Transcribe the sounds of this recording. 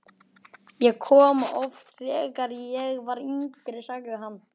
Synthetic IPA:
jɛɣkʰɔːmaʔɔfɾɛɛkaɾjɛɣvaɾiŋkɾɪsaːkɪɦanː

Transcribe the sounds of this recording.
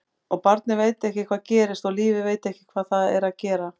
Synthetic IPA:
ɔɣpaɾt̪nɪveːjt̪ɪɛhcɪkʰvaːðcɛːɾɪst̪ɔliːvɪveːjt̪ɛhcɪ̥kʰvaːðθaðɛɾaðcɛːɾa

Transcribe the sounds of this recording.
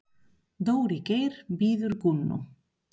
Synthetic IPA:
ðoːwɾicejɾ̥biːðʏɾkʊnːʊ̰

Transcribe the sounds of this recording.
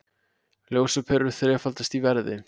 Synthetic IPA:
ljoːwsapʰɛɾʏɾθɾɛːfalt̪ast̪ivɛɾðɪ̰

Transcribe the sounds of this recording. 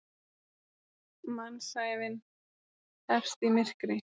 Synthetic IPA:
mansaːjvɪn | θɛfst̪imɪr̥kɾɪ

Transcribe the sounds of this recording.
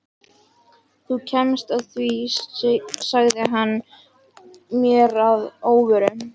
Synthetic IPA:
θucʰɛmst̪aðθvi | saɣðɪɦanː | mjɛɾaðoːwvʏɾʏ

